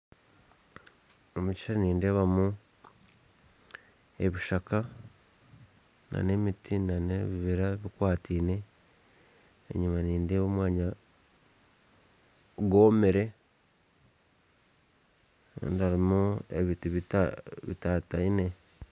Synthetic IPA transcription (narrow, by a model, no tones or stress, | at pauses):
omuci̥ʃaɾaniːndeβamu | e̞βiʃaka | nʔa̰ne̞mitʰinaneβiβiɾaβikwaːtʰiːne̞ | ḛɲumaniːndeːβomwaːɲa | ɡo̞ːmeɾe̞ | a̰ndaɾimuḛβituβiβḭtataine̞